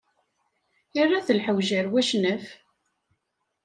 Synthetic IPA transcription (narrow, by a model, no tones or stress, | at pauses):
ərːaθəlħəwʒəɾwæʃnəf